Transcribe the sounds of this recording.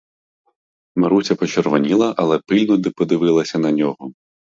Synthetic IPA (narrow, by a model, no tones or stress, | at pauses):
mɐɾut͡sʲɐpɔt͡ʃeɾʋɔnʲilˠɐʔɐlˠɛpɪlʲnʊd̪ɪpɔd̪ɪʋɪlˠɐsʲɐnɐnʲɔɦɔ